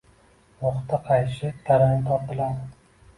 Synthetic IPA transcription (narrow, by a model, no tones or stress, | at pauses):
moχt̪ʰaqʰɑjʃɪt̪ʰaɾanɪt̪ʰɒɾpɪlam